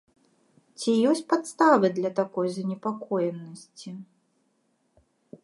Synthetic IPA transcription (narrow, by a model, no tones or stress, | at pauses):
t͡sʲijɔsʲt͡sʲpat̪st̪avɨd̪lʲɐt̪akɔjzɐnʲɛpakɔjɛnːɐsʲt͡sʲi